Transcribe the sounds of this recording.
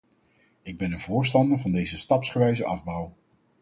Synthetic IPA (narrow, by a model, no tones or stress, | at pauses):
ɪɡ̚bɛnənvʊːɹstɑndəɹvɑndejzəstɑpsχəʋɛjzəʔɑvbɔw